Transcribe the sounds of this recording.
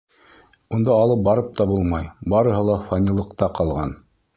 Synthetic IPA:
und̪ɑːlˠɤp̚bɑɾɤp̚t̪ɑbulˠmɑjbɑɾɤ̆ɦɤlˠɑfanʲilˠɤ̆qt̪ɑqɑlˠʁɑn

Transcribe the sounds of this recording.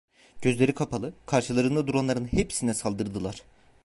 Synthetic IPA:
ɟ̥ø̞zlʲe̞ɾikʰapʰalˠɯkʰaɾʃɯlˠaɾɯnd̪ad̪uɾanˠaɾɯnhepsinɛsalˠd̪ɯɾd̪ɯlˠaɾ̝̥

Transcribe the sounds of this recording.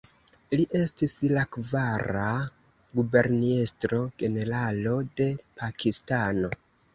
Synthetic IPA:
liʔe̞stislakvaɾa | ɡube̞ɾnistɾo̞ɡe̞ne̞ɾalo̞de̞pʰakʰistano̞

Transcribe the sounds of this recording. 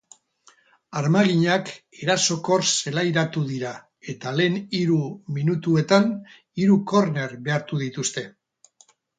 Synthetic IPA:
aɾmaɣiɲake̞ɾaso̞ko̞ɾse̞lajɾat̪uðiɾa | e̞t̪ale̞ːniɾuminut̪ue̞t̪an | iɾuko̞ɾne̞ɾβe̞aɾt̪uðit̪ust̪e̞

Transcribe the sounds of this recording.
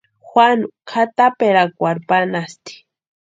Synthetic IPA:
xwʷanukʰat̪apeɾakʷaɾpanast̪i̥

